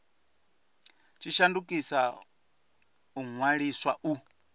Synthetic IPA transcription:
t͡ʃʰiʃandukʼisa | uŋwaɺiswa̰ʔu

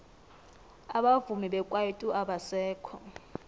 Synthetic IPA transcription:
aɓavumiɓɛkʼwaitʼuʔaɓasɛːkʰɔ̰

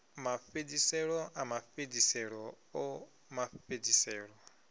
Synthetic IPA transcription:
mafedisɛɺɔʔamafedisɛɺɔ | ɔ | mafedisɛːɺɔ

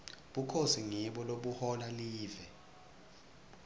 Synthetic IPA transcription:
ɓukʰosiŋɛɓɔloɓuhɔlaliːvɛ

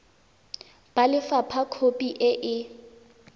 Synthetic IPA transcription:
b̥alɪfapʰakʰopʼiʔɪʔɪ

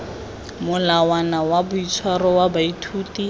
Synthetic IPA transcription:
mʊlawanawabʊit͡sʰwarɔwabaitʰuːti

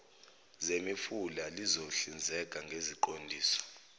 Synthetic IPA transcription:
zemifulalizoɬind͡zʱɛk̬ʼaŋɡʱeziǃondʱiːsɔ̥

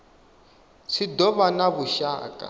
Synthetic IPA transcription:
sidɔβanaβuʃa̰ːkʼa̰

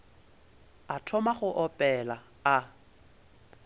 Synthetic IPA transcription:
atʰɔmaχʊʔɔpʼɛla | a

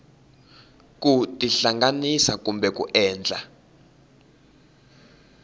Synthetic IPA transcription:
k̬ʼutʼiɬaŋɡanisak̬ʼumbɛk̬ʼṵʔɛːnd͡ɮʱa

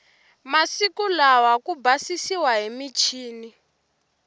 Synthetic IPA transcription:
masikulawakubasisiwaɦimit͡ʃʰiːni

